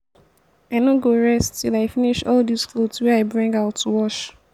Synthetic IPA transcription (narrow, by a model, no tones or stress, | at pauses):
aɪnõɡoɹɛstʰilaɪfiniʃɔldisklodswɛaɪbɹĩŋɡaʊtʰːuwɔʃ